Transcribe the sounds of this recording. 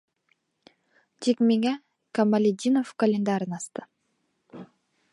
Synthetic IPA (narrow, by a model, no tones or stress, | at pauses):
d͡ʒekmeŋɛ | kamalʲid̪ʲinofkɐlʲend̪aɾɯnɑst̪ɯ